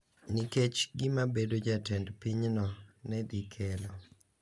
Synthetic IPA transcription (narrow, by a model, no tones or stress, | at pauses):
niket͡ʃɡɪmabedod͡ʒatɛndpiɲnɔnɛdikʰɛlɔ